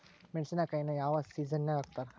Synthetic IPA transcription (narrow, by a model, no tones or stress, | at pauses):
meɳsɐnakɐjnɐjaːʋasiːd͡ʒɐnːeaːɡt̪aːɾ